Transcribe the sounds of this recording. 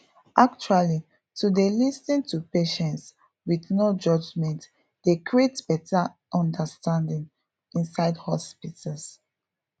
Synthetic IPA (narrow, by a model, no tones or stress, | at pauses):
ʔak̚t͡ʃuali | tudelistĩŋtupeʃɛ̃nts | wiθnod͡ʒʌd͡ʒmɛ̃nt | d̥ekɹietb̥ɛtʰa | ʔɔ̃ndəstãndĩŋ | ĩnsaɪdhɔspitəls